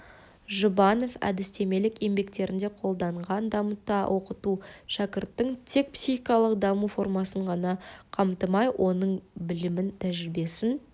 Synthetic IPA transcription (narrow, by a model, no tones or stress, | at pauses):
ʒʊbɑno̞fæ̰d̪ɪst̪e̞me̞lɪke̞mbe̞k̚t̪e̞ɾɪnd̪e̞qʰo̞lˠd̪ɑɴʁɑnd̪ɑmət̪ːɑwʔo̞qət̪uʃɑkʲɪɾt̪ːəɴt̪ʰe̞k̚psʲiχikɑlˠəqd̪ɑmufo̞rmɑsəɴʁɑnɑqʰɑmt̪əmɑjwʔo̞nəɴbɪlɪmɪnt̪ʰæʒɪɾɪbe̞sɪn